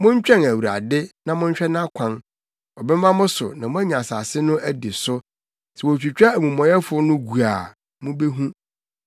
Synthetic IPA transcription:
mʊ̃˦ɲ˦t͡ɕᶣɛ̃˦˨næ˨wu˨ɾa̰˨dɪ˦nã˨mʊ̃˦ɲ̩˦ɕᶣɛ˦nã˦kʷʰã˦n | ɔ˨bɛ˦mã˦mʊ̃˦sʊ̰˨nã˨mʊ̃˦æ˦ɲã˨sa˨sɪ˦nʊ̃˦ʔæ˦di˨sʊ˦ | sɛ˨wɔ˨ɕᶣi˨t͡ɕᶣa˦˨mũ˨mɔ̃˨jɛ˦fʊ˨ɔ˦nʊ̃˦ɡu˨a˨ | mʊ̃˦be˦ɦũ˦

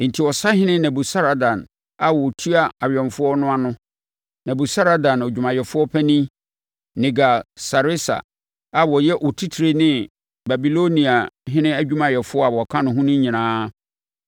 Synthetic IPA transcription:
n̩˨tʰi˨ɔ˨sa˦hɪ̃˦nɪ̃˦nã˨bu˨sa˦ɾa˨dã˨n | a˨wɔ˨tʰu˦a˦a˨ɥᶣɛ̃˨mfʊ˦ɔ˦nʊ̃˦a˦nʊ̃˦ | nã˨bu˨sa˦ɾa˨˦dã˨nɔ˨d͡ʑᶣu˨mã˨jɛ˨fʊ˦ɔ˦pʰɛ˦nĩ˦ | nɪ̃˨ɡa˨sa˨ɾɪ˦sa̰˨ | a˨bɔ˨jɛ˦ʔɔ˨tʰi˦tʰɾe˦nɪ̃˦ | ba˨bi˨lo˦nĩ˨a˨ɦɪ̃˦nɪ̃˦æ˦d͡ʑᶣũ˦mã˨jɛ˨fʊ˦ɔ˦a˨ɔ˨kʰã˦nʊ̃˨ɦʊ̃˦nʊ̃˦ɲĩ˨nãː˦

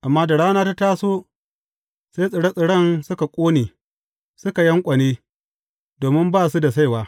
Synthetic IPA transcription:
ʔa˨mːaː˦da˨ɽaː˦naː˦ta˦taː˦soː˦ | se˦jsʼɪ˨ɽɐ˦sʼɪ˨ɽɐ˦˨nsʊ˦ka˨kʷʼoː˦neː˨ | sʊ˦ka˨jɐ˦ŋkʷʼɐ˨neː˦ | doː˨mɪ˦mbaː˦˨su˦da˨s̬a˦jwaː˦

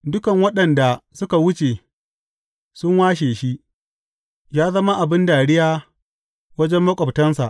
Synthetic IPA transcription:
dʊ˦kɐ˨ŋwɐ˦ɗɐ˨nda˨sʊ˦ka˨wʊ˦t͡ʃeː˨ | sʊ˦ŋwaː˦ʃ̬eː˨ʃi˦ʔ | jaː˦zɐ˦ma˦ʔa˨bɪ˦ndaː˨ɽɪ˦jaː˦ | wɐ˦d͡ʒɛ˦mːɐ˦kʷʼɐ˨btɐ˦nsa̰˨ʔ

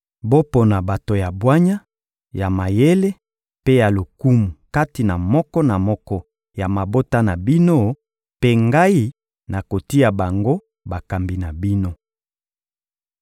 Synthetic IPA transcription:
bo˦po˨na˨ba˨to˨ja˨bwa˦ɲa˦ | ja˨ma˨je˦le˦ | pe˦ja˨lo˨ku˦mu˨ka˦ti˨na˨mɔ˦kɔ˦na˨mɔ˦kɔ˦ | ja˨ma˨bo˦ta˦na˨bi˦no˦ | pe˦ŋɡa˦i˦ | na˨ko˨ti˦ja˨ba˨ŋɡo˦ | ba˨ka˨mbi˨na˨bi˦no˦

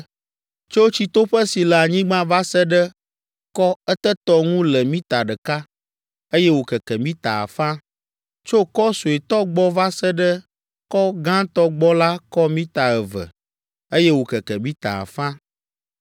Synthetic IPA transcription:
t͡ʃo˦t͡ɕi˦t̪o˦ɸə˦si˨lɛ˨a˨ɲĩ˦ɡ͡bã˦va˦sə˦ɖə˦ | kɔ˦ɛ˦t̪ə˦t̪ɔ˦ŋũ˦lɛ˨mĩ˦t̪a˨ɖɛ˨ka˦ | e˦jɛ˦wo˨kɛ˨kɛ˨mĩ˦t̪a˨a̰˨fã˦ | t͡ʃo˦kɔ˦so˨e˨t̪ɔ˦ɡ͡bɔ˦va˦sɛ˦ɖə˦ | kɔ˦ɡã˦t̪ɔ˦ɡ͡bɔ˦la˦kɔ˦mĩ˦t̪a˨ɛ˨və̰˨ | e˦jɛ˦wo˨kɛ˨kɛ˨mĩ˦t̪a̰˨a̰˨fã˦

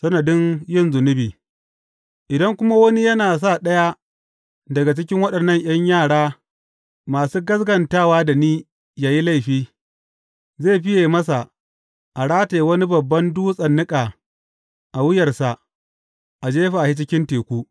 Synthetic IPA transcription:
sɐ˦nɐ˨dɪ˦njɪ˦nzʊ˨nʊ˦biː˨ | ʔɪ˨dɐ˦ŋkʷʊ˦ma˦wɐ˦ni˦jɐ˦naː˨s̬a˦˨ɗɐ˦ja˦ | dɐ˨ɡa˨t͡ʃɪ˦kʲɪ˦ŋwɐ˦ɗɐ˨nːɐ˦˨ɲʔj̰ɐ˦ɲjaː˦˨ɽaː˦ | maː˨suː˦ɡɐ˦sɡɐ˨ntaː˦˨waː˦da˨niː˦ | jaː˨ji˦la˦˨jɸiː˦ | zeː˦˨ɸɪ˦jeː˨mɐ˦s̬a˨ | ʔa˨ɽaː˦teː˨wɐ˦ni˦bɐ˨bːɐ˦nduː˦sʼɐ˨nːɪ˦kʼaː˨ | ʔa˨wɪ˦jɐ˨rsa˨ | ʔa˨d͡ʒeː˦ɸa˨hi˦t͡ʃɪ˦kʲɪ˦nteː˨kʷuː˦

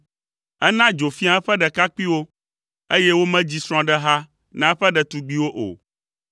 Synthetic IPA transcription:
ɛ˦nã˦d͡ʒo˨fi˦a˨˦ɛ˦ɸɛ˦ɖɛ˨ka˦k͡pi˦wo˦ | e˦jɛ˦wo˦mɛ̃˦d͡ʑi˦sɾ̃ɔ̃˦ɖɛ˦ɦa˦ | nã˦ɸɛ˦ɖɛ˨t̪u˨ɡ͡bi˦wo˦ʔo̰˨

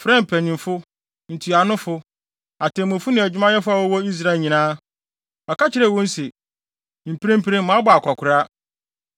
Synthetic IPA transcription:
fɾɛ̃˦˨m̩˨pʰæ˨nĩ˨mfʊ˦ | n̩˨tʰu˨a˨nʊ̃˦fʊ˦ | a˨tʰɛ̃˨mʊ̃˨fʊ˦nɪ̃˨æ˨d͡ʑᶣmã˦jɛ˦fʊ˦a˨wɔ˦wɔ˦i˦s̬ɾa˦e˨ɲĩ˨nãː˦ | a˨ka˦t͡ɕʰɪ˦ɾɛ˨wɔ̃˦n̩˦si˨ | m̩˨pʰi˦ẽ˦m˦pʰi˦ɾẽ˦mʊ̃˨a˦bʊ˨a˨kʷʰa˨kʰʊ˨ɾa˦

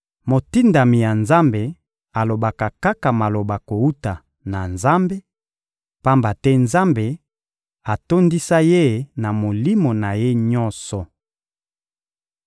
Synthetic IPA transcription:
mo˨ti˦nda˨mi˨ja˨nza˦mbe˨ | a˨lo˨ba˨ka˨ka˦ka˨ma˨lo˨ba˨ko˨u˦ta˨ | na˨nza˦mbe˦ | pa˦mba˨tɛ˦nza˦mbe˨ | a˨to˦ndi˦sa˦je˦˨˦na˨mo˨li˦mo˨na˨je˦ɲɔ˦nsɔ˨

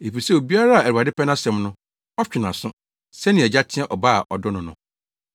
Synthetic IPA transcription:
e˨pi˨sɛ˦o˨bi˦a˦ɾa˦a˨æ˨ɾu˨a˨dɪ˦pɛ˦nã˦sɛ̃˨mnʊ̃˦ | ɔ˦t͡ɕᶣɪ˨nã˨sʊ̃˦ | sɛ˦nɪ̃˨ɛ˨d͡ʑa˦tʰɪ̃˦ɛ̃˦ʔɔ˨ba̰˦˨ʔɔ̰˨dɔ˦nʊ̃˦nʊ̰̃˦

